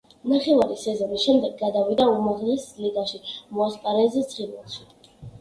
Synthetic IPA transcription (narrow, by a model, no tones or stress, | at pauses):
naχɛvaɾisɛzɔnisʃɛmd̪ɛɡːad̪avid̪aumaʁlɛsliɡ̪aʃimɔaspʼaɾɛzɛsʰʼχinwalˠʃi